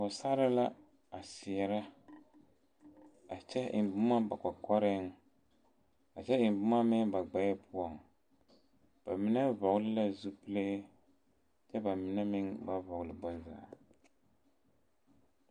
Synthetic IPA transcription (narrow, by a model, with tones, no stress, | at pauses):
ɔ˨sa˦ɾɪ˦la˦ | a˨sɪ˨ɛ˨ɾa˦ | a˨t͡ʃɛ˦ɪ̰˨m˨bʊ˦ma˦ba˨ka˨kɔ˦ɾɪ˦ŋ | a˨t͡ʃɛ˦ɪ˨m˨bʊ˦ma˦mɪ˦ŋba˨ɡ͡ba˨jɛ˦pʊ˦ɔ˨ŋ | b̥a˨mɪ˦nɛ˦vɔ˨ɣʊ˦lɪ˦la˦zu˦pɨ˦le˦ | t͡ʃɛ˦ba˨mɪ˨nɛ˦mɪ˦ŋba˦vɔ˨ɣʊ˨lɨ˨bɔ˦za̰ː˨